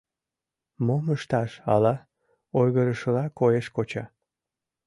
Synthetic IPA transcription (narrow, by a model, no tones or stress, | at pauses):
moməʃt̪ɑʃɑ̰lɑ | ojɣəɾəʃəlɑkojeʃkot͡ɕɑ